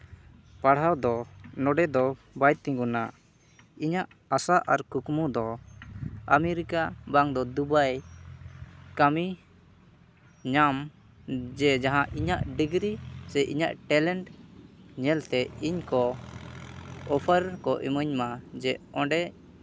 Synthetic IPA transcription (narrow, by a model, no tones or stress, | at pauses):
paɽ̤ɦawd̪ɔnɔɖɛd̪ɔ | bajt̪ːĩɡunaʔ | iɲaʔ | asaʔaɾkukmud̪ɔ | amɛɾikabaŋd̪ɔd̪ubaj | kami | ɲam | d͡ʒɛd͡ʒaɦãʔiɲaʔɖiɡɾisɛʔḭɲaʔʈɛlɛɳʈ | ɲɛlt̪ɛiɲkɔ | ɔpʰəɾkɔʔḭməɲmad͡ʒɛɔ̃ɳɖɛ